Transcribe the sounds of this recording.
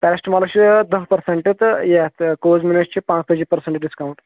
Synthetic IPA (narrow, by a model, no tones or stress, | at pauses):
pɛɾsʈmalɐɕid̪əɦpəɾseɳʈet̪jat̪kozminɐst͡ʃʰipãt͡sp̪əd͡ʑipəɾseɳʈɖiskawuɳʈ